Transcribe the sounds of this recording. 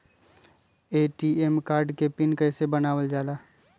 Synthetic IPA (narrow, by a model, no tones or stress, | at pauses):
eːʈiemkaːɾɖkepɪnkɛːsebɐnaːʋəld͡ʒaːlaː